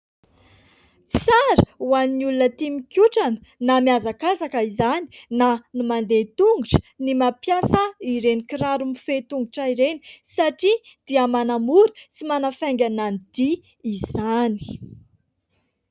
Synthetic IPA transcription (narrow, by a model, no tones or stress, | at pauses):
t͡saɾəuaniniulunət̪imikʲjuʈ͡ʂanə̥namiazakazakəizani̥nanumand̪et̪uŋɡuʈ͡ʂə̥nimapjasaiɾenikiɾaɾumifet̪uŋɡuʈ͡ʂaiɾeni̥saʈ͡ʂi | d̪̥iəmanamuɾt͡simanafajŋɡʲananid̪̥i | iz̥ani̥